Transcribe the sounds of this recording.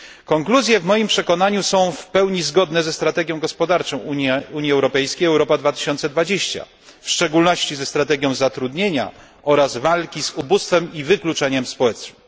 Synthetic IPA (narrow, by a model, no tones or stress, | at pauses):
kɔŋkluzʲjɛvmɔjimpʂɛkɔnaɲusɔ̃w̃fpɛwɲizɡɔd̪nɛzɛst̪ɾat̪ɛɡʲjɔ̃w̃ɡɔspɔd̪aɾt͡ʂɔ̃w̃uuɲjiɛwɾɔpɛjskʲejɛwɾɔpad̪vat̪ɘ̥ɕɔnt̪sɛd̪vad͡ʑeɕt͡ɕa̰ | fʂt͡ʂɛɡulnɔɕt͡ɕizɛst̪ɾat̪ɛɡʲjɔ̃w̃zat̪ɾud̪ɲeɲa̰ | ɔɾazvalkʲizubust̪fɛmivɘklut͡ʂɛɲɛmspɔwɛt͡ʂnɨm